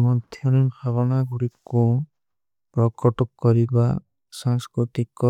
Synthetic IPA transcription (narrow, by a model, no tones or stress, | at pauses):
mɔd̪ʰʱjɔnibʰʱaβɔnaɡuɽiku | pɾɔkɔʈɔkkɔɾiba | sãŋskɾut̪ikɔ